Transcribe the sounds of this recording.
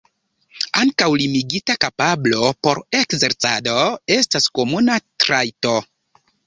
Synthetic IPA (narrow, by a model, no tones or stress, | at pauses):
aŋkawlimiɡitakapablo̞po̞ɾekze̞ɾt͡sado̞e̞stasko̞munatɾajto̞